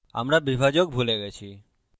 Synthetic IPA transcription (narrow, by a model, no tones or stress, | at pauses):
a̰mɾabibʱad͡ʑok̚bʱuleɡɛt͡ɕʰi